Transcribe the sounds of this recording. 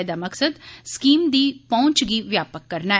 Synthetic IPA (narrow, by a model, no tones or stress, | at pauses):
d̪aːməksəd̪skiːmd̪iːpɔ̃ːt͡ʃɡiːʋjaːpəkːəɾnaː